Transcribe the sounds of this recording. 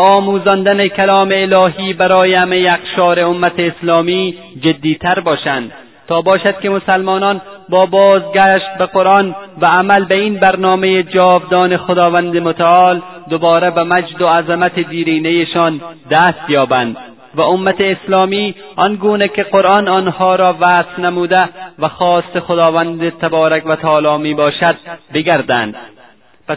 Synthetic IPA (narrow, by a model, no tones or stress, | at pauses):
ɒːmuːzɒnd̪anekʰalɒːmeːlɒːɦiːbæɾɒːjehamejeaqʃɒːɾeʊmːat̪eːslɒːmiː | d͡ʒed̪ːiːt̪ʰaɾbɒːʃænd̪ | t̪ɒːbɒːʃad̪̥̚kemosalmɒːnɒn | bɒːbɒːzɡæʃt̪̚beqoɾɒnvaːmalbeiːnbæɾnɒːmejed͡ʒɒːvd̪ɒːnexod̪ɒːvand̪emʊt̪aɒːl | d̪obɒːɾabamad͡ʒd̪oazamat̪ed̪iːɾiːnejeʃɒnd̪æst̪jɒːbænd̪ | væʊmːat̪eːslɒːmiː | ɒnɡuːnekeqoɾʔɒnɒnhɒːɾɒːvasnamuːd̪ævæxɒːst̪exod̪ɒːvænd̪et̪ʰabɒːɾakvat̪ʰæɒːlɒːmiːbɒːʃad̪̥̚beɡæɾd̪æ̰nd̪ | pa